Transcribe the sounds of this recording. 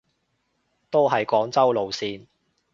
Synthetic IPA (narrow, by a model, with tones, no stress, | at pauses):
t̪o˥wɦɐ˨jkɔː˨˥ŋt͡sɐ˥wlo˨wsiː˧n